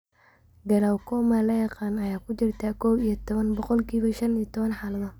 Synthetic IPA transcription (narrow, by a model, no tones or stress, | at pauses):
ɡɐlaːwkʰɔːmɐlɐjɑqɑːnɐjaːkʰʊt͡ʃɪrt̪ʰaːkʰɔːwijɔt̪ʰɔβɐnbɔqɔlkʰiːβɐʃɐnijɔt̪ʰɔβɐnħaːlɐðɐ